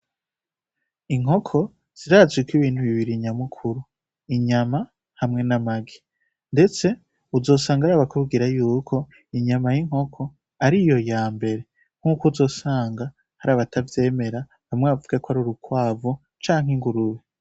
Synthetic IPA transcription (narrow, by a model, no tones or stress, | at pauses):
iŋ̥ɦo̞kʰo̞ | z̥iɾaːzwikwiβiːn̥huβiβiɾiɲamukʰuɾu | iɲama | hamŋe̞namaɡe | nde̞t͡se̞ | uzo̞ːsaːŋɡaɾaːβakʰub̚ɡiɾajuːkʰo̞ | iɲamajiŋho̞kʰo̞ | aɾijo̞jaːmbe̞ɾe̞ | ŋ̥huːkozo̞ːsaːŋɡa | haɾaːβatʰavje̞ːme̞ɾa | βamŋeβavuɡakoaɾuɾukwaːvo | t͡ʃaːŋhiŋɡuɾuβe